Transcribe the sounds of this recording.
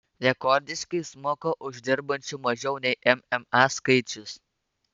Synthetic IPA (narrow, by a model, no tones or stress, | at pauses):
ɾʲɛkɔɾʲd̪ʲɪʃkɐɪsmoːkɐʔʊʒʲd̪ʲɪɾbɐnʲt͡ʃʲʊmɐʒʲɛʊnʲɛɪʔɛmɛmɑskɐɪt͡ʃʲʊs